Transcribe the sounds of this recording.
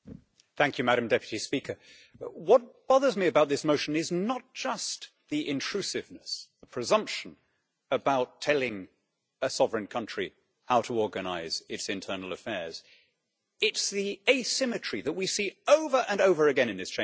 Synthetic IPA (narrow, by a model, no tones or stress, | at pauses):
θæ̃ŋkʰjɨmæɾɨ̃mdɛpjɨɾispikə˞ | wʌt̚b̥ɑðə˞zmiɨbaʊt̪̚ðɪsmoʊʃɨ̃nɪznət̚d̥ʒ̥ʌs | ðiʔɪ̃ntʰɹ̥ʉsɨvnɨsðəpʰɹ̥ɨzʌ̃mpʃɨ̃n̩ | əbaʊtʰɛlˠɪ̃ŋ | əsɑvɹɨ̃nkʰʌ̃nt͡ʃɹ̥i | haʊɾəɔɹɡɨna̰ɪz̥ɪtsɨ̃ntʰɜ˞nl̩ˠəfɛɹz̥ | ɪtsðieɪsɪ̃mɨt͡ʃɹ̥iðət̚wisioʊvə˞ʔə̃noʊvə˞ɨɡɛ̃nɨ̃nðɪst͡ʃʰẽ